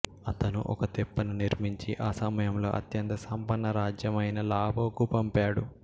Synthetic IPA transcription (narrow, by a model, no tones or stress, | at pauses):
ɐt̪ɐnṵʔɔ̰kɐt̪ɛpːɐnuniɾmiɲt͡ʃiʔaːsɐmɐjɐmlo̞̰ːʔɐ̰t̪jɐnt̪ɐsɐmpɐnːɐɾaːd͡ʒjɐmɐjnɐlaːbʱɐːkupɐmpaːɽu